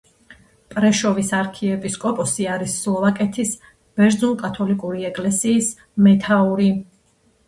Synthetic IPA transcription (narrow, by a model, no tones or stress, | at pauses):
pʼɾɛʃɔvisaɾkʰiɛpʼiskʼɔpʼɔsiaɾisːlˠɔvakʼɛt̪ʰis | b̥ɛɾd̪zunkʼat̪ʰɔlikʼuɾiɛkʼlɛsiːs | mɛt̪ʰauɾi